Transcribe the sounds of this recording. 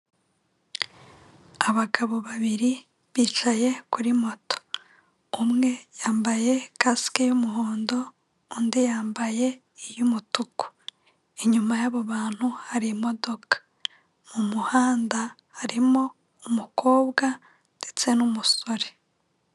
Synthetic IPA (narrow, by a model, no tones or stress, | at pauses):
aβaɡaβo̞βaβiɾi | βiːt͡ʃaje̞kuɾimo̞to̥ | umŋe̞jaːmbaje̞kasi̥kejumuɦoːndo̞ː | ndijaːmbaje̞ | ijumutuko̥ | eɲumajaβoβaːn̥huhaɾimo̞do̞kḁ | mumuhaːnda | haɾimo̞ | umuko̞ːβɡa | nd̥e̞t͡se̞numuso̞ɾe